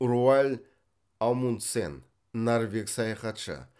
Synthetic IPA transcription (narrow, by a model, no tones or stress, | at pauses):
rualʲ | alˠmunt̪sḛnː | arvʲeksɑjɑχɑt̪ʃə̰